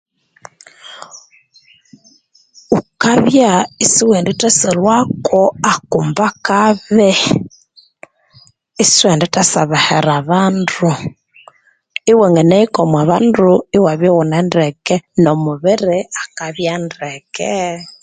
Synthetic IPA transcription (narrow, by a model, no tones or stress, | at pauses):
ukaβjaisiwɛnditɛsɛlwakʰɔakumbakaβɛ | iswɛnditasaβahɛɾaβandu | iwɛŋɡɛnɛikɔmwaβanduiwaβjɔwunɛndɛkɛnɔmuβɛɾɛakaβjandɛkɛ